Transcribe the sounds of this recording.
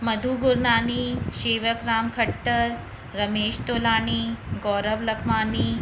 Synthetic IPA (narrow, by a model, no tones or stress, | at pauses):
mɐd̪ʱuːɡuɾnaːniɕeːʋəkɾaːmkʰɐʈːəɾː | ɐmeːɕt̪oːlaːñiːɡɔːɾəʋlɐkʰmaːniː